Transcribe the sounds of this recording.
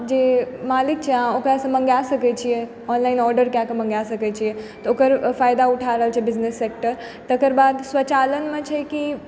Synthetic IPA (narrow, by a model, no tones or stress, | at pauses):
d͡ʒemaːlɪk̚t͡ʃʰeɦãokəɛsə̃mɐ̃ŋɡasɐkɛt͡ʃʰije | ɔnlaːinɔːɾɖəɾkjakemɐ̃ŋɡasɐkɛt͡ʃʰijet̪ɔokəɾfaːjd̪auʈʰaɾəɦəlt͡ʃʰɛbɪznesːeːk̚ʈəɾ | t̪əkəɾbaːd̪sʋɐt͡ʃaːlənmẽt͡ʃʰɛki